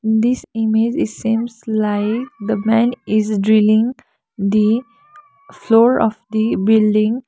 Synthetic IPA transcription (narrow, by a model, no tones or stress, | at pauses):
d̪isimed͡ʒsĩːmzlaɪk̚d̪əmɛ̃nɪzɖɾɪlɪ̃ŋ | d̪i | floːɾɔfd̪ibɪlɖɪ̃ŋ